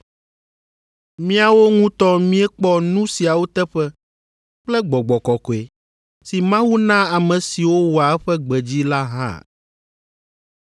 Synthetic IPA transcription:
mĩ˦a˨wo˦ŋũ˦t̪ɔ˦mĩ˦ɛ˦k͡pɔ˦nũ˦si˨a˨wo˦t̪ɛ˦ɸɛ˦ | k͡plɛ˦ɡ͡bɔ˨ɡ͡bɔ˨kɔ˨kɔ˨e˨ | si˨mã˦wu˦nã˦a˨mɛ̃˨si˨wo˦wo˨a˨ɛ˦ɸɛ˦ɡ͡bɛ˨d͡ʑi˦la˦ɦã̰˦˨

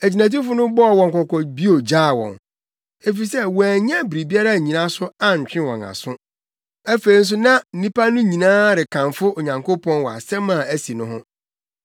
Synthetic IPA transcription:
æ˨d͡ʑi˨næ̃˨t̬i˦fʊ˦nʊ̃˦bɔ˦˨wɔ̃˨ŋ˨kɔ˨kʰɔ˨bi˦o˨d͡ʑaː˦˨wɔ̰̃˨n | e˦fi˨sɛ˦wɔ̃˨æ˨ɲɛ̃˦bɾi˨bi˦a˦ɾa˦˨ɲĩ˨nã˦sʊ˦a˦ɲ̩˨t͡ɕᶣɪ̃˦wɔ̰̃˨na̰˨sʊ̃˦ | æ˦fe˨ɾi˦n̩˦s̬ʊ˦nã˦n̩˦nĩ˦pʰa˦nʊ̃˦ɲĩ˨nãː˦ɾɪ˨kʰã˨nfʊ˦o˨ɲã˨ŋkʰo˦pʰɔ̃˦nwɔ˨a̰˨sɛ̃˦mã˨æ˦si˨nʊ̃˦ɦʊ̰̃˦

